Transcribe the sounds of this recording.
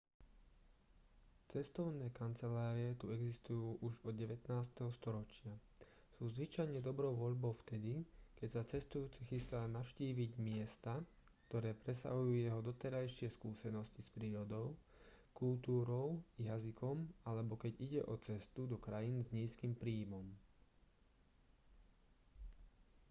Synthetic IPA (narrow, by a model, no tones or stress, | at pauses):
t͡sɛst̪ɔʊnɛːkant͡sɛlaːɾiɛt̪uɛɡzist̪ujuːʔuʒɔd̪ɟɛʋɛt̪naːst̪ɛɦɔst̪ɔɾɔt͡ʃɪa | suːzʋit͡ʃajɲɛd̪ɔbɾɔʊʋɔʎbɔʊft̪ɛd̪ikɛcsat͡sɛst̪ujuːt͡sixist̪aːnaʊʃciːʋiɟmɪɛst̪a | kt̪ɔɾɛːpɾɛsa̰ɦujuːjɛɦɔd̪ɔt̪ɛɾajʃɪɛskuːsɛnɔscispɾiːɾɔd̪ɔʊ | kulˠt̪uːɾɔʊjazikʰɔmalɛbɔkɛɟiɟɛʔɔt͡sɛst̪ud̪ɔkɾajinzɲiːskimpɾiːmɔm